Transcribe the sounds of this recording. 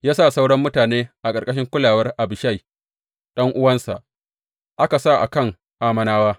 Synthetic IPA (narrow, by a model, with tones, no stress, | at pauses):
jaː˦sa˦˨sa˦wɽɐ˦mːʊ˦taː˨neː˦ʔa˨kʼɐ˨rkʼɐ˦ʃ̬ɪ˦ŋkʷʊ˦laː˨wɐ˦rʔa˨bɪ˨ʃa˦˨j | ɗɐ˦ŋʔʊ˦wɐ˦nsa˨ʔ | ʔa˦ka˨sa˦˨ʔa̰˨kɐ˦˨ŋ | ʔaː˦mɐ˨naː˦waː˦